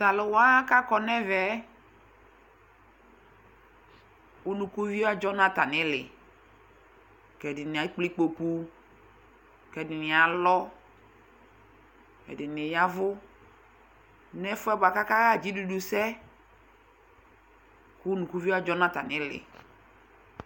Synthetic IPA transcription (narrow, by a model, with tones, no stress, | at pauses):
ta˨lɪ˨wa˦ka˦kɔ˨nɛ˦vɛ˨˦ | u˦nũ˨ku˦vi˦a˦d͡ʒɔ˦nã˦ta˨nɪ˦lɪ˨ | kɛ˨dɪ˨nɪ˨a˨˦k͡pli˦k͡po˨pu˦ | kɛ˨dɪ˨nɪ˨a˨lɔ˦ | kɛ̰˨dɪ˨nɪ˨ja˦vʊ˦ | nɛ˦fʊ˦ɛ˦ba˨ka˦ka˦ɣa˦˨d͡ʒi˦du˨du˨sɛ˦ | ku˦nũ˨ku˦vi˦a˦d͡ʒɔ˦nã˦ta˨nɪ˨˦lɪ̰˨